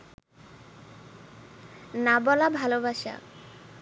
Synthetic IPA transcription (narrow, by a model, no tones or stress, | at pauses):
nabɔlabʱalobaʃa̰